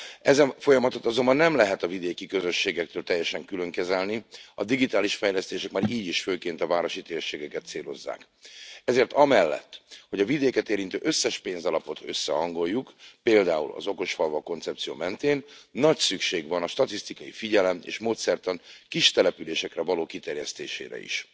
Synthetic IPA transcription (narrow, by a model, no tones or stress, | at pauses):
ɛzɛɱfo̞jɒmɒt̪o̞t̪ɒzo̞mbɒnːɛmlɛɦɛt̪ɒvid̪eːkikøzø̞ʃːeːɡɛk̚t̪øːlt̪ɛjːɛʃɛŋkylø̞ŋkɛzɛlniɒd̪iɡit̪aːliʃfɛjlɛst̪eːʃɛkmaːɾiːɟiʃføːkeːnt̪ɒvaːɾo̞ʃit̪eːrʃeːɡɛkɛt̪seːlo̞zːa̰ːk | ɛzeːrt̪ɒmɛlːɛ̰t̪ːho̞ɟɒvid̪eːkɛt̪eːɾint̪ø̰ːʔø̞sːɛʃpeːnzɒlɒpo̞t̪ø̞sːɛ̰ɦɒŋɡo̞jːukpeːld̪aːṵlɒ̰zo̞ko̞ʃfɒlvɒko̞nt̪sɛpt̪sijo̰ːmɛnt̪eːnːɒcsykʃeːɡʋɒnɒʃt̪ɒt̪ist̪ikɒjifiɟɛlɛmḛːʃmoːt̪sɛrt̪ɒnkiʃt̪ɛlɛpyleːʃɛkrɛvɒloːkit̪ɛrjɛst̪eːʃḛːɾɛ̰ḭʃ